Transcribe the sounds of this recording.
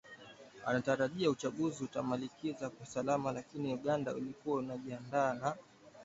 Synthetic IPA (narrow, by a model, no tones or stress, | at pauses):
a̰nataɾaʄiaut͡ʃaɠuziutamalikizakwausalamalakiniuɠanda̰ṵlikuwaunaʄiandaːna